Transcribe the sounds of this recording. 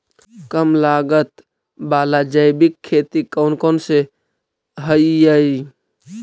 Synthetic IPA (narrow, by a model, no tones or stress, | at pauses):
kəmlaɡət̪ | balad͡ʒəjbikʰːet̪ikəʊnkonse | ɦəjjəi